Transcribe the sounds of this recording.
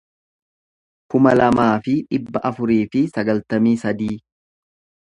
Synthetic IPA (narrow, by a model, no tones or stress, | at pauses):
kʊmɐlɐmaːfɪᶑɪbːɐʔɐfʊɾiːfɪsɐɡɐlt̪ɐmiːsɐd̪iː